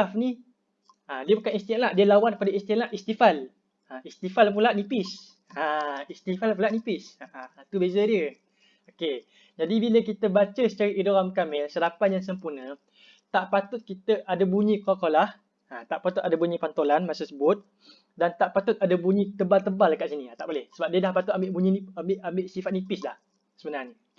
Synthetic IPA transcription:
afni | adiəbukanist̪ilaʔdiəlawanpadaist̪ilaʔist̪ifal | aist̪ifalp̬ulaʔnipɪs | aist̪ifalpulaʔ̚nipɪsaat̪ubezədiə | oke | d͡ʒadibiləkit̪əbat͡ʃəsət͡ʃaɾiʔidoɾamkamɛlsədapanjaŋs̬əmpurnə̃ | t̪aʔpat̪ʊt̪̚kit̪əʔadabuɲĩkoakolah | at̪aʔpat̪uʊt̪̚adabuɲĩpant̪olanmasəsəbʊt̪̚ | dant̪aʔpat̪ʊt̪̚adabuɲĩt̪əbalt̪əbalakaʔsinĩat̪aʔbolɛhsəbap̚diədahpat̪ʊt̪̚ambɪʔbuɲiniambɪʔambeʔsifat̪̚nipɪslah | səbənarɲə

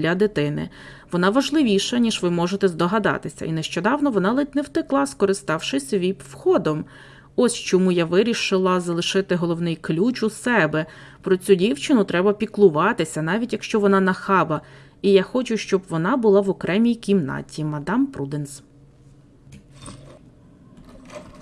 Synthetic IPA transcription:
lʲɐd̪ɪt̪ɪnɪ̰ʋɔnɑʋɐʒlˠɪʋʲiʃɐnʲiʒʋɪmɔʒet̪ɛzd̪ɔɦɐd̪ɑ̰t̪ɪsʲɐ̰inɛʃt͡ʃɔd̪ɑwnɔʋɔnɑlˠɪt̪ʲnɛwt̪ɪklˠɑskɔɾɪst̪ɑwʃɪsʲʋʲib̪wxɔd̪ɔm | ɔsʲt͡ʃɔmujaʋɪɾʲiʃɪlˠɐzɐlˠɪʃɪt̪ɪɦɔlˠɔwnɪjklʲut͡ʃusɛbɛ | pɾɔt͡sʲudʲiwt͡ʃɪnʊt̪ɾɛbɐpʲiklˠʊʋɑt̪ɪsʲɐnɑʋʲitʲjɐkʃt͡ʃɔʋɔnɑnɐxɑbɐ | ijaxɔt͡ʃʊʃt͡ʃɔbʋɔnɑbʊlˠɑʋɔkɾɛmʲijkʲimnɑ̰tʲimɐd̪ɑmpɾud̪ɪns

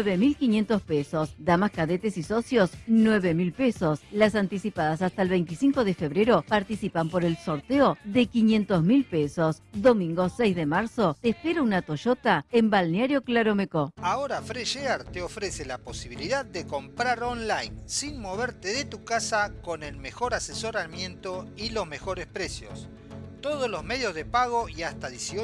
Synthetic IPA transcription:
eβemilkinje̞nt̪o̞spesosd̪amaskaðet̪esisosjosnweβemilpesoslasant̪isipaðas̬ast̪aelβe̞jnt̪isiŋkoðefeβɾeɾopaɾt̪isipampoɾelso̞ɾt̪eoðekinjẽnt̪ozmilpesosðo̞mĩŋɡosejzðemaɾsot̪espeɾaunat̪oʃot̪aembalneaɾjo̞klaɾomekoaoɾafɾeʃeaɾt̪eofɾeselapo̞siβ̞iliðaðːeko̞mpɾaɾonlajnsinmo̞βeɾt̪eðet̪ukasako̞nelmexo̞ɾaseso̞ɾamje̞nt̪oilo̞zme̞xo̞ɾespɾesjo̰s | t̪oðozlo̞zmeðjozðepaɣ̞oiast̪aðesio

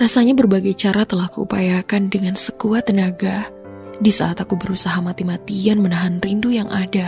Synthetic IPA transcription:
rasaɲabərbaɡajt͡ʃaɾat̪əlahkəṵpajakandəŋansəkuat̪ːənaɡa | disa̰ːt̪akubəɾusaɦamat̪imat̪ianmənaɦanrindujaŋʔada

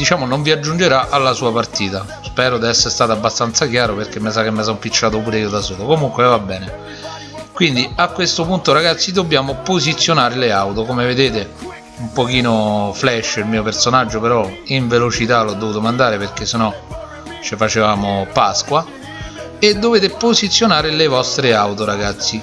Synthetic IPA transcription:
d̪it͡ʃaːmonoɱviad͡ʒːund͡ʒeɾaʔalːasuːapart̪iːt̪a | spɛːɾod̪iɛsːeɾst̪aːt̪oabːast̪ant̪sak̟̬jaːɾoperkemːes̬ak̟emːesɔmpit͡ʃːaːt̪̬opuːɾeiːod̪asoːlokomuŋkwevabːɛːne | kwind̪iakːwest̪opunt̪oɾaɡat̪sːid̪obːjaːmopozit̪sːjonaːɾeleawt̪okomeved̪eːt̪e | umpokiːnoflɛʃːilmiːopersonad͡ʒːopeɾɔiɱvelot͡ʃit̪alɔd̪ːovuːt̪omand̪aːɾeperk̟esːenɔ | t͡ʃefat͡ʃevaːmopaskwa | ed̪ːoveːt̪epozit̪sːjonaːɾelevɔst̪ɾeawt̪oɾaɡat̪sːi

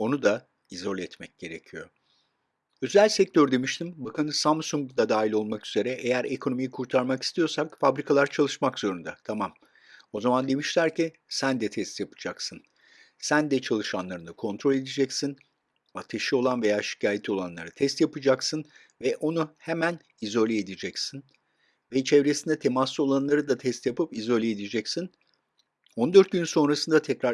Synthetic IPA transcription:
o̞nud̪a | izo̞lʲɛt̪mɛc̚ɟ̥e̞ɾe̞cʰijo̞ | ø̞zælʲsɛc̚t̪ʰøɾd̪e̞miʃt̪ʰimbakʰanɯsamsuŋɡd̪ad̪aːɦilʲo̞lˠmakyz̥e̞ɾɛʔejæɾekʰo̞no̞mijikʰuɾt̪ʰaɾmaki̥st̪ʰijo̞sakfabɾikʰalˠaɾt͡ʃʰalˠɯʃmakz̥o̞ɾund̪at̪ʰamam | o̞zamand̪e̞miʃlʲæɾci | sænd̪ɛt̪ʰɛst̪japʰɯ̥d͡ʒaksɯn | sænd̪ɛt͡ʃʰalˠɯʃanlˠaɾɯnakʰo̞nt̪ʰɾo̞lʲe̞d̪ed͡ʒɛcsin | at̪ʰeʃɯo̞lˠanve̞jaːʃi̥cʰaːjet̪ʰo̞lˠanlˠa̰ɾɯt̪ʰɛst̪japɯd͡ʒaksɯn | vɛʔo̞nuhemæn | izo̞lʲeed̪id͡ʒɛcsin | vɛt͡ʃʰɛvɾesind̪ɛt̪ʰemaslːˠio̞lˠanlˠaɾɯd̪at̪ʰɛst̪japɯpizo̞lʲeed̪id͡ʒɛcsin | ond̪øɾt̪̚ɟynso̞nɾasɯnd̪at̪ʰɛcɾa

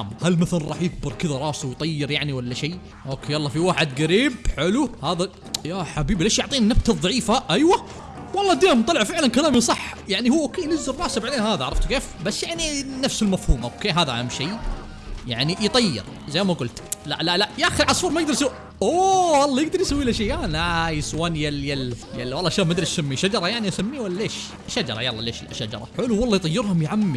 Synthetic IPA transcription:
mhalmaθalanˤɑ̰ːħjɪɡ̚bɨɾˤkɪðaɾˤɑːsawjt̪ˤɑjːɪɾjaʕniwalːaʃeː | ʔoːkeːwɑlˤːɑːfiwaːħɪd̪ɡaɾiːbħɪluhaːða | jaħabiːbleːʃjʊʕt̪ˤiːnɪnːab̚t̪aðˤɑʕiːfaʔajwa | wɑlˤːɑːd̪eːmt̪ˤɑlɪʕfɪʕlankalaːmisˤɑħːjaʕnihuwːʔoːkeːjnɪzːɪrrˤɑːsabaʕaleːnhaːðaʕɾˤɑft̪keːfbasːjaʕninafsɪlmafhuːmʔaʔokːeːɦaːðaʔamːʃiː | jaʕnijt̪ˤɑjːɪ̰ɾ | zajːmaɡʊlt̪la̰ʔlaʔlaʔjaxɪɾlʕɑsˤuːɾˤmajɪɡd̪ɑɾˤsawː | ʔowɑlˤːɑjɪɡ̚d̪ɑɾˤjsawːiːlaʃajaːnajɪswaːnjaljaljalːwɑlːɑʃaːbmad̪ɾɪssamːiʃad͡ʒɑɾˤɑjaʕniʔasamːiwalːaleːʃ | ʃad͡ʒɑ̰ɾˤɑ̰jɑ̰lˤːɑ̰lḛːʃlʃad͡ʒɑ̰ɾˤɑ̰ħʊluwɑlˤːɑːjt̪ˤɑjːɪɾhʊmjʕamːɪ

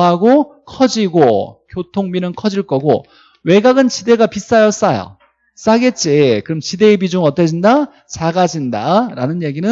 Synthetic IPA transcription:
ɦaɡokʰʌd͡ʑiɡokjotʰoŋminɯnkʰʌd͡ʑiɭk͈ʌɡo̰ | we̞ɡaɡɯnt͡ɕide̞ɡapis͈ajʌs͈ajo̰ | s͈aɡe̞t͡ɕ͈ekɯɾʌmt͡ɕide̞ibid͡ʑuŋʌt͈ʌd͡ʑinda | t͡ɕaɡad͡ʑinda̰ɾanɯnje̞ɡinɯ

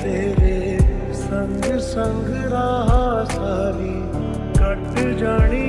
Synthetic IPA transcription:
eːɾe | sɐ̃ŋɡsɐ̃ŋɡ | ɾaːɦaːsaːliː | kɐʈd͡ʒaːɽ̃i

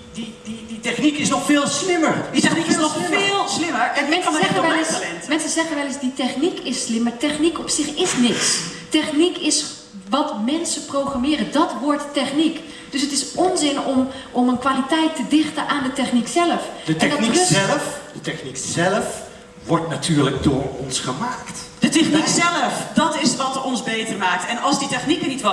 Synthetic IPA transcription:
dididitɛχnikɪsnɔxfɪːlˠslɪmərisɛnikɔɪlˠslɪməmɛnsɛəʋɛləsɛntmɛnsəzɛɣənʋɛləsditɛχnikɪslɪmːatɛχnikɔpsɪxɪsnɪkstɛχnikʰɪs | ʋɔtmɛnsəproχramɪːrədɔtʋʊɹtːɛχnik | d̥ɵsətɪsɔnzɪnɔm | ɔmənkʋaːlitɛjtədɪχtənʔaːndətɛχniksɛləfdəɛndlfdətɛχniksɛləf | ʋɔɹtnatʰyːɹləɡ̚dʊːɹɔnsχəmaːktd̥ətɛχniksɛləfdɑtɪsʋɑtɔnzbejtəɹmaːk̚tɛnɑlˠzditɛχnikənitʋ

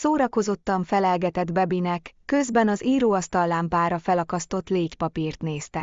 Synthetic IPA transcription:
soːɾɒko̞zo̞t̪ːɒɱfɛlɛlɡɛt̪ɛd̪bɛbinɛkːø̞zbɛnɒziːɾoːɒst̪ɒlːaːmpaːɾɒfɛlɒkɒst̪o̞t̪leːcpɒpiːrt̪neːst̪ɛ

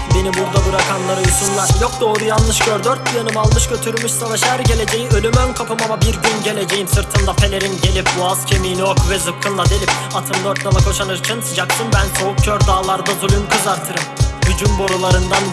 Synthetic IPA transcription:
be̞nibuɾd̪abuɾakʰanlˠaɾɯjuʃunlˠaɾjok̚d̪o̞ːɾujalˠːɯʃɟʰøɾd̪øɾt̪̚bujanɯmalˠmɯʃɟø̞t̪ʰyɾmyʃsavaʃæɾɟe̞lʲe̞d͡ʒe̞jiølʲymønkʰapɯmamabiɾɟynɟe̞lʲe̞d͡ʒe̞jimsɯɾt̪ʰɯnd̪apʰe̞lʲe̞ɾinɟe̞lʲip̚buazcʰemijniokʰvɛzɯkʰːɯnd̪ˠad̪e̞lʲipat̪ʰɯmd̪øɾt̪̚d̪alˠakʰoʃanɯɾt͡ʃʰɯnsɯd͡ʒakt̪ɯnbænso̞uk̚cʰøɾd̪aːlˠaɾd̪azulʲymkʰɯzaɾt̪ʰɯɾɯmyd͡ʒymbo̞ɾulˠaɾɯnd̪an

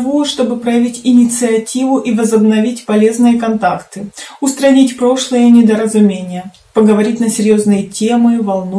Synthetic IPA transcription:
voʂt̪o̞bɨpɾɐjɐvʲitʲɪnʲɪt̪sɨɐtʲivʊʔivəzəbnɐvʲitʲpɐlʲe̞znɨjəkɐnt̪akt̪ɨʊst̪ɾɐnʲitʲpɾo̞ʂlˠɨjənʲɪd̪əɾəzʊmʲenʲɪjə | pəɡəvɐɾʲitʲnəsʲɪɾʲjo̞znɨjətʲe̞mɨvɐlˠnu

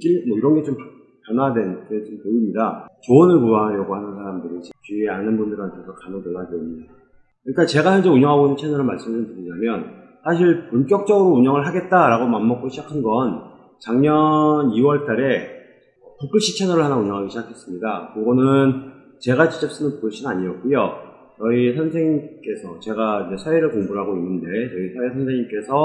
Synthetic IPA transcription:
kimʌiɾʌnɡe̞t͡ɕomp | pjʌnadwe̞net͡ɕompoimɲidat͡ɕoːnɯɭkuaɾjʌɡohanɯnsʰaɾamdɯɾit͡ɕit͡ɕieanɯnbundɯɾantʰesokanʌŋtɯɭːaɡeoɲda | kɯɲik͈at͡ɕe̞ɡaçjʌnd͡ʑe̞uɲʌŋɦaɡoinɯt͡ɕʰe̞nʌɾɯɭmaɭs͈ɯmesʰɯntoɲiɲamjʌn | sʰaɕ̬ʰiɭpunkjʌk̚t͡ɕ͈ʌɡɯɾouɲʌŋɯɭɦaɡe̞t̚t͈aɾaɡomamːʌk͈oɕʰid͡ʑakʰanɡʌn | t͡ɕaŋɲʌniwʌɭt͈aɾe̞ | ʌpok͈ʰɯɕʰit͡ɕʰe̞nʌɾɯɭhanauɲʌŋɦaɡiɕʰid͡ʑakʰe̞s͈ɯmɲidakɯɡʌnɯn | t͡ɕe̞ɡat͡ɕi̥t͡ɕ͈ʌp̚s͈ɯnɯnpoɡɯɭɕ͈ʰinaɲiʌk͈ujo | t͡ɕʌisʰjʌnsʰe̞ŋk͈e̞sʰʌt͡ɕe̞ɡaind͡ʑe̞sʰaeɾɯɭkoŋbuɾɦaɡoinːɯnde̞t͡ɕʌisʰaesʰjʌnsʰe̞ŋimk͈e̞sʰʌ

